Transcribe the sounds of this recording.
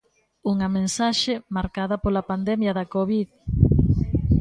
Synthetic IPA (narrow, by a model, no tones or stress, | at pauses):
uŋɐmẽnsaʃemaɾkaðɐpolapand̪ɛmjɐðɐkoβið